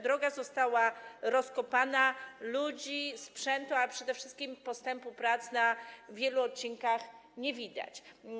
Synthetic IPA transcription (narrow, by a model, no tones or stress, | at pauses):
d̪ɾɔɡazɔst̪awaɾɔskɔpanalud͡ʑispʂɛnt̪uapʂɛd̪ɛfʂɘst̪̚kʲimpɔst̪ɛmpupɾat̪snavʲjɛluɔt̪̚t͡ɕiŋkaxɲɛvʲid̪a̰t͡ɕ